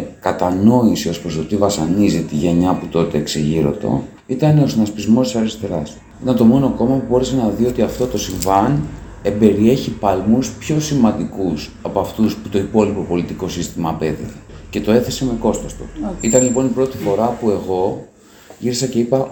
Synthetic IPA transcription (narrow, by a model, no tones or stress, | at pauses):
kɐt̪ɐno̞isio̞spɾosot̪ivɐsɐnizit̪iʝe̞ɲɐput̪o̞t̪e̞ːksiʝiɾo̞̰t̪o̰ | it̪ɐne̞o̞snɐspizmo̞st̪isɐɾist̪e̞ɾɐs | it̪ɐnt̪o̞mo̞no̞ko̞mɐpubo̞ɾe̞senɐðio̞t̪iɐft̪o̞t̪o̞siɱvɐn | e̞be̞ɾie̞çipɐlmuspço̞simɐnd̪ikus | ɐpoɐft̪usput̪o̞ipo̞lipo̞po̞lit̪iko̞sist̪imɐpe̞ðḭtece̞t̪o̞e̞θeseme̞ko̞st̪ost̪uit̪ɐnlipo̞nipɾo̞t̪ifo̞ɾɐpue̞ɣo̞ | ʝiɾisɐce̞ipɐ